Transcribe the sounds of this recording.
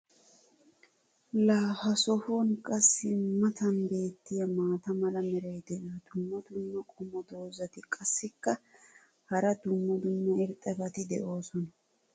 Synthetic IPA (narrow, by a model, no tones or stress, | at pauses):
laːfɐsɔhonkʼɐsːɪmɐt̪ɐnbe̞ːt̪ːɪjɐmaːt̪ɐmɐlɐmɛɾɐjd̪ɛʔɐd̪̥ʊmːɐd̪ʊmːɐkʼɔmːɔd̪o̞ːzɐt̪ɪkʼɐsːɪkːɐ | hɐɾɐd̪ʊmːɐd̪ʊmːɐɪɾt̪ʼːɐbɐt̪ɪd̪ɛʔo̞ːsɔnɐ